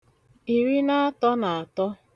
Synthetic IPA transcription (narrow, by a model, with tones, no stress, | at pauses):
i˨ɾi˦na˦a˦tɔ˦na˨a˨tɔ˦